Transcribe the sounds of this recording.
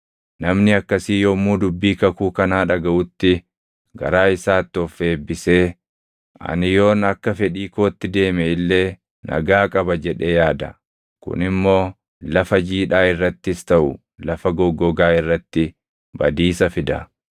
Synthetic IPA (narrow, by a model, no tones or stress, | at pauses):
nɐmnɪɐkːɐsiːjoːmːuːd̪ʊbːiːkɐkuːkɐnaːᶑɐɡɐʔʊt̪ːɪ | ɡɐ̰ɾaːɪsaːt̪ːɪɔfːe̞ːbːɪse̞ː | ʔɐ̰nɪjo̞ːnɐkːɐfɛᶑiːkoːt̪ːɪd̪e̞ːmɛɪlːe̞ː | nʔɐ̰ɡaːkʼɐbɐd͡ʒɛᶑe̞ːjaːd̪ɐ̰ | kʊ̰nɪmːo̞ː | lɐfɐd͡ʒiːᶑaːɪrːɐt̪ːɪst̪ɐʔʊ | lɐfɐɡɔɡːɔɡaːɪrːɐt̪ːɪ | bɐ̰d̪iːsɐfɪd̪ɐ